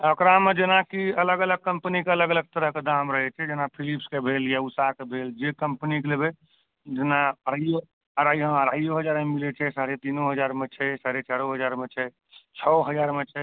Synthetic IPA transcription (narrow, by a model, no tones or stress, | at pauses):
əkɾamed͡ʒenakiələɡələɡ̚kːəmpnikeələɡələɡ̚t̪əɾəɦked̪amɾəɦɛt͡ʃʰɛd͡ʒenapʰilipskebʱeljausakebʱeld͡ʒekəmpnikelebe | d͡ʒenaəɾajo | əɾajɦə̃əɾajoɦəd͡ʒaɾmemilɛt͡ʃʰɛsaɾet̪inoɦəd͡ʒaɾmet͡ʃʰɛsaɾet͡ʃaɾoɦəd͡ʒaɾmet͡ʃʰɛ | t͡ʃʰɔɦəd͡ʒaɾmet͡ʃʰɛ